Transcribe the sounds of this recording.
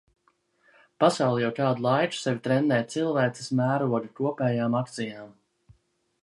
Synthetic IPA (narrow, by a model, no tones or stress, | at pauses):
pasawlˠɛjawt̪aːd̪ulˠajt͡ʃu̥sɛvʲit̪ɾɛnd̪ɛːt̪silˠvæːt̪si̥smæːɾuɔd̪ikuɔpɛːjaːmak̚t̪sijaːm